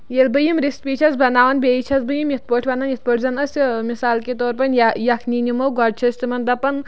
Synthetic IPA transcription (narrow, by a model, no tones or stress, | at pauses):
jelbɐjimɾispiːt͡ʃʰɐzbɐnaːʋɐnbʲeit͡ʃʰɐsbɐjimjit̪̚ʰpoːʈʰbɐnaːnjit̪̚ʰpoːʈʰzɐnɐsʲmisaːlket̪ɔːɾpɐnjɐkʰniːnʲimɐwɡɔɖ̚t͡ʃʰɐsʲt̪imɐnd̪ɐpɐn